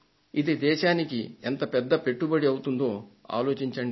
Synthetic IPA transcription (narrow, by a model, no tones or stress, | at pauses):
id̪id̪ɛːʃaːnikiɛnt̪ɐpɛd̪ːɐpe̞ʈːubɐɽiɐwut̪und̪o̞ːa̰ːlo̞ːt͡ʃiɲt͡ʃɐɳɖi